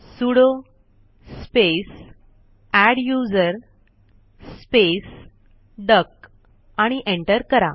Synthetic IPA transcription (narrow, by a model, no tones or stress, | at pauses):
suɽo | spes | æɽjud͡zəɾ | spes | ɖək | aɽ̃iʔẽɳʈəɾkəɾa̰